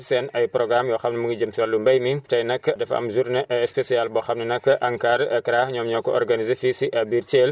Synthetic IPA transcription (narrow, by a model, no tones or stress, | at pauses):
sɛnɐjpɾɔɡɾamjɔxɐmnɐmuɡɐd͡ʒɐmtiwɐlːumbɐjmitɐjnɐkːdɛfɐ̰mzuɾnɐʔɐspesialbɔxɐmnɐnɐkːɐʔɐŋkaɾɐkɾaɲɔːmɲɔkɔɔ̰ɾrɡanizefisiʔɐbiɾt͡ʃel